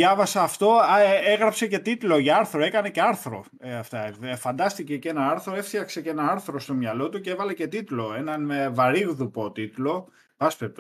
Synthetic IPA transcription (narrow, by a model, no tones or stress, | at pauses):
jɐvɐsɐːft̪o̞eɣɾɐpse̞ce̞t̪it̪lo̞ʝɐɐɾθɾo̞e̞kɐne̞ce̞ɐɾθɾo̞̰ | ɐft̪ɐfɐnd̪ɐst̪ice̞ce̞nɐɐɾθɾo̞e̞ft̪çɐkse̞ce̞nɐɐɾθɾo̞st̪o̞mɲɐlo̞t̪ucee̞vɐle̞ce̞t̪it̪lo̞e̞nɐnvɐɾiɣðupo̞t̪it̪lo̞ | vɐspep̚t̪o